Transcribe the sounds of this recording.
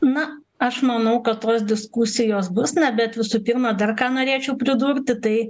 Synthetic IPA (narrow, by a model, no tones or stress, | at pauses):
nɐ | ɐʃmɐnɐʊkɐt̪toːs̬d̪ʲɪskusʲɪjoːs̬bʊsnʲɛbʲɛt̪ʋʲɪsuːpʲiːɾmɐd̪ɐrkɑːnoːɾʲeːt͡ʃʲɛʊpʲɾʲɪd̪uːɾʲt̪ʲɪt̪ɐɪ